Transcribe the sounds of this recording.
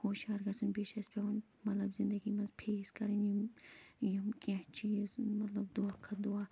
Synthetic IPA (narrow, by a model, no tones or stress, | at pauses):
hoːʃaːɾɡɐsɐnbeʃɐspʰʲɐwɐn | mɐt̪lɐbzind̪ɐɡimɐnzpʰeːskɐɾini | jɐmket͡ʃiːzmɐt̪lɐbd̪okʰɐd̪ua